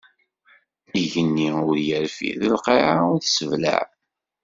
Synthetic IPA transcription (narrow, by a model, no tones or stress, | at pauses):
iʝənːiʊɾjəɾfḭðəlqeʕaʊɾθsəvlæ̰ʕ